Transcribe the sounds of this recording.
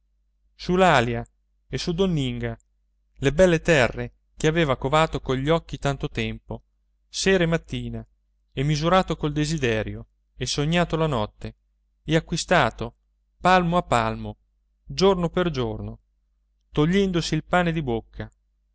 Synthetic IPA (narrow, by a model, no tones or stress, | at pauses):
sulalja | esud̪onːiŋɡa | lebɛlːet̪ɛrːe | keaveːvakovaːt̪okoʎːɔkːit̪ant̪ot̪ɛmpo | seːɾemat̪ːiːna | ɛmːizuɾaːt̪okold̪ezid̪ɛːɾjo | esoɲːaːt̪olanɔt̪ːe | ɛakwist̪aːt̪o | palmoapːalmo | d͡ʒornoperd͡ʒorno | t̪oʎːɛnd̪osiːlpaːned̪ibokʰːa